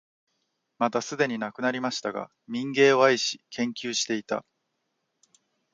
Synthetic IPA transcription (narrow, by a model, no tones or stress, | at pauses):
mat̪asɨd̪e̞ɲ̟inakɯnaɾʲimaɕi̥t̪aɡa̰ | mʲĩŋɡe̞ːaiɕi̥kʰẽ̞ŋkʲɨːɕi̥t̪e̞it̪a̰